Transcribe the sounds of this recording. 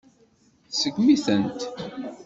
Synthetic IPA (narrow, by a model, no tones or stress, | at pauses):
səɡmiθənt̪